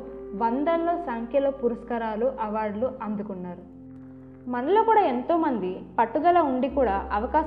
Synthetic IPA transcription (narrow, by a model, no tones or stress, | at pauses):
ʋɐnd̪ɐlːoːsaːŋkʰjɐloːpuɾɐskɐɾaːluʔɐʋaːɾɖluʔɐnd̪ukunːaːɾu | mɐnɐloːkuːɽaːe̞nt̪o̞ːmɐnd̪ipɐʈːuɡ̪ɐlɐuɳɖikuːɽaːʔɐʋɐkaː